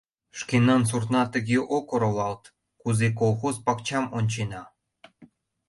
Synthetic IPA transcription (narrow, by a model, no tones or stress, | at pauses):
ʃkenɑns̬urt̪nɑt̪əɣeʔokoɾolɑlt̪ | kuzek̬olˠxozpɑkt͡ɕɑmonʲt͡ɕenɑ